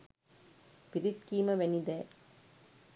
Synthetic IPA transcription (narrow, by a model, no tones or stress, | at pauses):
pɪɾɪt̪̚kiːmɐʋɛnɪðɐ